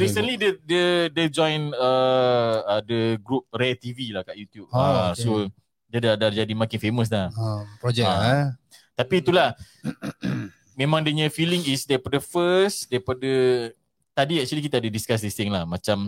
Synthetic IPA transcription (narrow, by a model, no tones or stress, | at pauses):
ɾisənlidədəded͡ʒɔ̃jnə | ədəɡɾup̚ret̪ivilahkaʔjut̪jup̚aso | dədadad͡ʒadimãkɪnfeməs̬lapɾɔd͡ʒɛa | t̪apiːt̪ulah | mẽmãŋdəɲə̃filiŋisdaɾipadəfəsdaɾipadə | t̪adiak̚t͡ʃwalikit̪aadədiskas̬dist̪ɪŋlahmãt͡ʃam